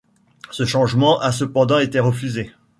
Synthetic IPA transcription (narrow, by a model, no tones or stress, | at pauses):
səʃɑ̃ʒmɑ̃ʔas̬əpɑ̃d̪ɑ̃et̪eʁəfyze